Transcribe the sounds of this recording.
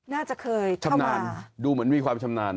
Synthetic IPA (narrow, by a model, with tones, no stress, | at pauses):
naː˥˩t͡ɕa˨˩ʔkʰɤː˧jt͡ɕʰa˧˩mnaː˧nduː˧mɯ˩˦ənmiː˧kʰwaː˧mt͡ɕʰa˧mnaː˧n